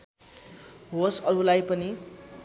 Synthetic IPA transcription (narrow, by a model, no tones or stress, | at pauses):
ɦosʌɾulajpʌni